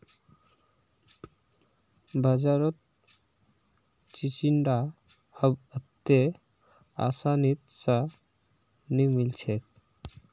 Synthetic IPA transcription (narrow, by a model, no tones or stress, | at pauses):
bʱad͡ʑaɾot̪̚ | t͡ɕit͡ɕiɳɖa | həbət̪ːe | a̰sanit̪̚sa | nimilt͡ɕʰek̚